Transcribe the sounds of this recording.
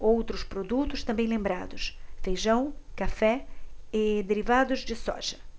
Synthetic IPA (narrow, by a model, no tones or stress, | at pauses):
owt̪ɾʊspɾod̪ut̪ʊst̪ɐ̃mbẽj̃lẽmbɾad̪ʊsfejʒɐ̃w̃kafɛɪd̪eɾivad̪ʊzd͡ʒ̪ɪsɔ̰ʒɐ